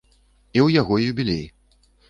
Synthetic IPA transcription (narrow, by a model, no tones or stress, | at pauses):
iwjaɣɔjjubʲilʲej